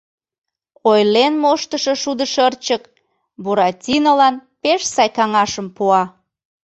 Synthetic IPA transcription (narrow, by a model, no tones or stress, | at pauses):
ojlenmoʃt̪əʃəʃud̪əʃərt͡ɕək | boɾɑtʲinolɑnpeʃsɑjkɑŋɑʃəmpuɑ